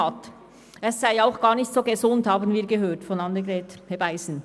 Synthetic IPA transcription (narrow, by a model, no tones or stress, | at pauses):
ɑt | ɛsːaɪaʊxɡ̥ɑːʁnɪçtsoːɡəzʊnthaːbənviːɐɡəɦøːtfɔnɑndəɡɾɛːthɛbaɪsn̩